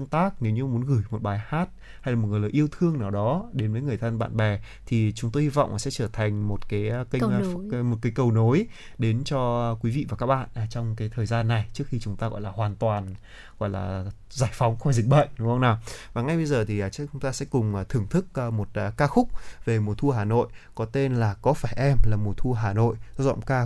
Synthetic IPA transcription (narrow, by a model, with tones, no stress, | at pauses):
ŋt̪aː˦˥k̚ne˨˦wɲɨ˧mu˨˦ənɣɨ˧˩jmo˨˩t̚ɓaː˨˦jhaː˦˥t̚ | ha˧jlaː˨˩o˨˩ɨ˨˩ləː˨˩ʔi˧əwt̪ʰɨ˧əŋnaː˨˩wɗɔ˨˦ɗe˨˦nvəː˨˦jŋɨ˨˩əjt̪ʰə˧nɓa̰ː˧˨nɓɛ˨˩ | t̪ʰi˨˩t͡ɕʊ˨˦ŋ͡mt̪o˧jhi˧vɔ̰˧˨wŋ͡mʔa˨˩sɛ̰˧˥t͡ɕəː˧˩t̪ʰa˨˩jŋ̟mo˨˩t̚kaː˨˦jki˧mo˨t̚kaː˨˦jkə˨˩wno˨˦j | ɗe˨˦nt͡ɕɔ˧kwi˨˦vḭ˧˨vaː˨˩kaː˦˥k̚ɓa̰ː˧˨nʔaː˨˩t͡ɕɔ˧wŋ͡mkaː˨˦jt̪ʰəː˨˩jzaː˧nːa˨˩jt͡ɕɨ˦˥ək̚xi˧t͡ɕʊ˨˦ŋ͡mt̪aː˧ɣɔ̰˧˨jlaː˨˩ɦwaː˨˩nt̪waː˨˩n | ɣɔ̰˧˨jla̰ː˨˩ | zaː˧˩jfɔ˨˦wŋ͡mxɔ˧˩jzi˨˩k̚ɓə̰ː˧˨ŋɗʊ˨˦ŋ͡mxə˧wŋ͡mnaː˨˩vaː˨˩ŋa˧jɓə˧jzəː˨˩t̪ʰi˨˩ʔt͡ɕkt͡ɕʊ˨˦ŋ͡mt̪aː˧sɛ̰˧˥kʊ˨˩ŋ͡mːt̪ʰɨ˨˧˩əŋt̪ʰɨ˦˥k̚ːmo˨˩t̚ːkaː˧xʊ˦˥k͡p̚ve˨˩mo˨˩t̪ʰu˧əɦaː˨˩no̰˧˨jkɔ˨˦t̪e˧nlaː˨˩kɔ˨˦faː˧˩jʔɛ˧mlaː˨˩mo˨˩t̪ʰu˧əɦaː˨˩no̰˧˨jʔzɔ̰˧˨wŋ͡mkaː˧